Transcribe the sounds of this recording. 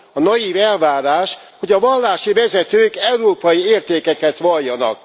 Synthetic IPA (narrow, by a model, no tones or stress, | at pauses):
ɒnɒjivɛlvaːɾaːʃ | ho̞ɟɒvɒlːaːʃivɛzɛt̪øːkɛuɾoːpɒjieːrt̪eːkɛkɛt̪ʋɒlːɒnɒ̰k̚